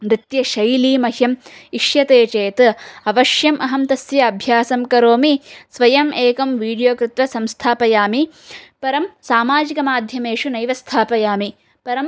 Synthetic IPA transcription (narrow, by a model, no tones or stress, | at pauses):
mɾɪt̪jɐʃɐjliːmɐhjɐmiʂjɐt̪eːt͡ʃeːt̪ɐʋɐʃjɐmʔɐɦɐmt̪ɐsjɐːbʱjaːsɐmkɐɾoːmisʋɐjɐmeːkɐmʋiːɽijoːkɾɪt̪ʋɐsɐmst̪ʰaːpɐjaːmipɐɾɐmsaːmaːd͡ʒikɐmaːd̪ʱjɐmeːʂunɐjʋɐst̪ʰaːpɐjaːmi | pɐɾɐm